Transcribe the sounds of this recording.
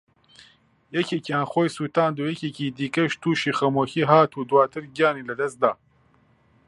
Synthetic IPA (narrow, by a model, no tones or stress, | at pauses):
jɐceːkjaːnxoːjsuːt̪aːnd̪uːjɛkeːkiːd̪iːkɐʃt̪uːʃiːxɐmoːxiːɦaːt̪uːd̪waːt̪ʰɨɾɡijaːniːlɐd̪ɐst̪d̪aː